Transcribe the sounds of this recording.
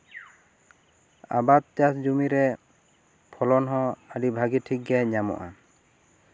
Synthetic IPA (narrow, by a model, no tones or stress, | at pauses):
a̰bat̪̚tjasd͡ʒumiɾɛ | pʰɔlɔnɦɔ̃adibʱaɡitʰik̚ɡɛɲamɔ̰ʔa